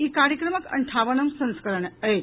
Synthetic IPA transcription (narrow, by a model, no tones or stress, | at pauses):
ikaɾjəkɾəməkə̰ɳʈʰaʋənəmsə̃w̃skəɾəɳəɦe